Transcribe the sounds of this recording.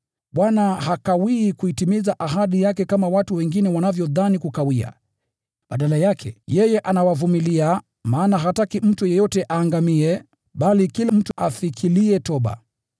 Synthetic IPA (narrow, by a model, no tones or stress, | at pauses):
ɓwanaɦakawiːkuitimizaʔaɦaɗijakɛkamawatuwɛŋɡinɛwanavjɔðanikukawia̰ | ɓaɗalajakʰɛ̰jɛjɛʔanawavumilia | maːnaɦatakim̩tujɛjɔtɛʔaːŋɡamiɛ | ɓalikilam̩tuʔafikʰiliɛtɔɓa̰